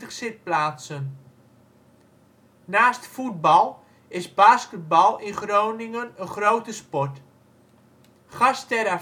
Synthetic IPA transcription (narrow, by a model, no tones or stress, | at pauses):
əχsɪt̚plaːsən | naːstfud̚bɑlˠ | ɪsbaːskət̚bɑlˠɪnχrownɪŋənənχrowtəspɔt | χɑstɛɾa